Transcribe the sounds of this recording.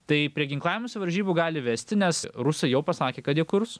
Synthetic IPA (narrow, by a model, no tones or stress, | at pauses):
t̪ɐɪpʲɾʲiɛɡʲɪŋklˠɑːʋʲɪmoːsʲɪʋɐɾʲʒʲiːbuɡɑːlʲɪʋʲɛsʲt̪ʲɪnʲɛsɾʊsɐɪjɛʊpɐsɑːkʲeːkɐt̪jiɛkʊɾs